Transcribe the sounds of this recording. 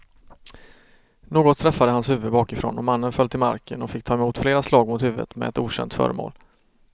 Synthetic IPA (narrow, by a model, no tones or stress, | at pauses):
noːɡɔt̪ʰːɾɛfːad̪əhanshʉ̟ːvəd̪bɑːkɪfɾo̰ːnɔmanːənfœlt̪ʰɪlma̰ɾkʰənɔfɪkt̪ʰɑːɛmuːt̪fleːɾaslɑːɡmʊt̪hʉ̟ːvə̰t̪mɛ̰ɛt̪uːɕɛ̰nt̪fœ̰ːɾəmo̰ːl